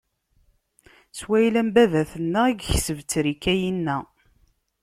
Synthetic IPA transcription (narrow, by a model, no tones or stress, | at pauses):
swæjlæmbæðæθənːæiɡçsəvt͡sːɾikːæjinːæ